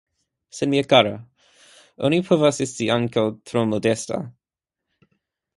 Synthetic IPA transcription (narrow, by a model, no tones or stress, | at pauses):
sɪnmiəkaɾə | ʊ̰nipʰʊvasɪsdiaŋkʰɛlˠt̪ʰɾomɔdɛsta̰